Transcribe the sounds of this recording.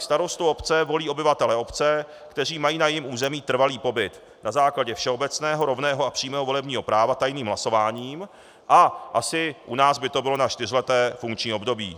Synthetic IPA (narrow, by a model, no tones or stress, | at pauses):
st̪aɾo̞st̪uo̞pt͡sɛvo̞liːo̞bɪvat̪ɛlɛo̞pt͡sɛ | kt̪ɛr̝iːmajiːnajɪmuːzɛmiːt̪r̩valiːpo̞bɪt̪ | nazaːklaɟɛfʃɛo̞bɛt͡snɛːɦo̞ɾo̞vnɛːɦoapr̥iːmɛːɦovo̞lɛbɲiːɦo̞pɾaːvat̪ajniːmɦlaso̞vaːɲiːm | ʔaʔasɪʔunaːzbɪt̪o̞bɪlo̞nat͡ʃt̪ɪr̝ɪlɛt̪ɛːfuŋkt͡ʃɲiːo̞bdo̞biː